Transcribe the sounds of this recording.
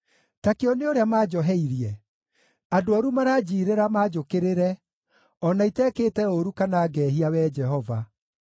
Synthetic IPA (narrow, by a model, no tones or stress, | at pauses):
takeɔneoɾeamaːd͡ʒɔɦɛiɾjɛ | adoaɾumaɾad͡ʑiːɾeɾamaːd͡ʒokeɾeɾɛ | ɔnaitɛkeːtɛoɾukanaːɡɛːɦiawɛd͡ʒɛɦɔva